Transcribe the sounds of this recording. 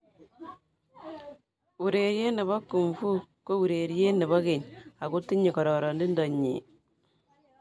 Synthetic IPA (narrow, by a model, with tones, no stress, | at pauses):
u˨ɾe˨ɾje˦ne˨βɔ˦ku˨mfu˦ko˦u˨ɾe˨ɾje˦ne˨βɔ˦ɣe˨ɲa˨ɣu˦ti˦ɲi˨kɔ˨ɾɔ˨ɾɔ˨ndi˦ndɔ˨ɲḭ˨